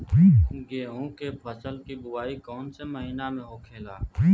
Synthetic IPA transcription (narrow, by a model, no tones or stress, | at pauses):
ɡeːõkepʰəsəlkibʊwaːikɔːnseməɦinamẽɦokʰeːlaː